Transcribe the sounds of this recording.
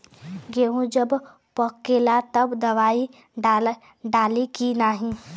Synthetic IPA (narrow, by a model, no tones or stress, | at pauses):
ɡeɦũd͡ʒəb | pəkːelat̪əbd̪ɐʋaːi | ɖa | ɖaːlikinaːɦĩ